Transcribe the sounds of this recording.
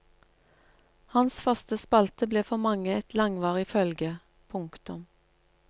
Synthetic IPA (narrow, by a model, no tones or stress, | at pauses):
hɑnsfɑst̪əspɑlt̪əbleːfɔmɑŋəɛt̪lɑŋʋɑːʁɪfœlɡə | pʰʊŋkt̪ʊm